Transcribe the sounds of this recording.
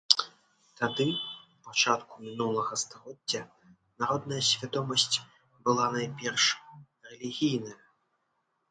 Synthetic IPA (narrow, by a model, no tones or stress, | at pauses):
t̪ad̪ɨ | pat͡ʂat̪kumʲinulˠɐɣɐst̪aɣɔdʲːɐ | naɾɔd̪nɐjɐsʲvʲad̪ɔmɐsʲt͡sʲ | bɨlˠanajpʲɛrʂ | rɛlʲiɣʲijnɐjɐ